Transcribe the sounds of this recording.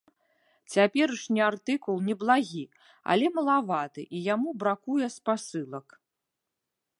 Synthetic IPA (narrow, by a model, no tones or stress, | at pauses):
t͡sʲapʲɛɾɨʂnʲiart̪ɨkulˠnʲɛblˠaɣʲi | a̰lʲɛmɐlˠavat̪ɨ̰ʔijamubɾakujɛspasɨlˠɐk